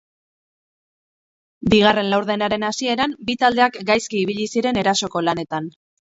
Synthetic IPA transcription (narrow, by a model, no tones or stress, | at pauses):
biɣ̞are̞nlawɾðe̞naɾe̞nasie̞ɾambit̪ald̪e̞akɡajskiːβ̞iʎisiɾe̞ne̞ɾaso̞ko̞lane̞t̪an